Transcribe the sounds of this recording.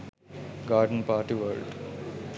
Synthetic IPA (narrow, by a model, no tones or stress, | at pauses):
ɡaːɾɖənpaːɾʈiʋəːlɖ